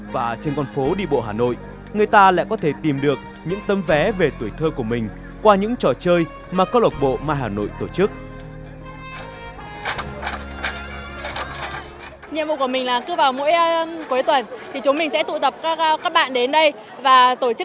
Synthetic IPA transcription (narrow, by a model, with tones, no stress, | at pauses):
vaː˨˩t͡ɕe˧nkɔ˧nfo˨˦ɗḭ˧˨ɓo̰˧˨ɦaː˨˩no̰˧˨j | ŋɨ˨˩əjt̪aː˧la̰ː˧˨jkɔ˨˦t̪ʰe˧˩t̪i˨˩mɗɨ˨˩ək̚ | ɲɨ̰˧˥ŋt̪ə˨˦mvɛ˨˦ve˨˩t̪u˧˩jt̪ʰəː˧ku˧˩əmï˨˩ŋ̟ | kwaː˧ɲɨ̰˧˥ŋt͡ɕɔ˨˩t͡ɕəː˧j | maː˨˩kəː˦˧lə˨˩t̚ɓo̰˧˨maː˧ɦaː˨˩no̰˧˨jt̪o˧˩t͡ɕɨ˦˥k̚ | ɲḭ˧˨mvṵ˧˨kəmï˨˩ŋ̟laː˨˩kɨ˧vaː˨˩wmo̰˧˥jku˨˦jt̪wə˨˩nt̪ʰi˨˩t͡ɕʊ˨˦ŋ͡mmï˨˩ŋsɛ̰˧˥t̪ṵ˧˨t̪ə˨˩p̚kːkaː˦˥k̚ɓa̰ː˧˨nɗe˨˦nɗə˧j | vaː˨˩t̪o˧˩t͡ɕɨ˦˥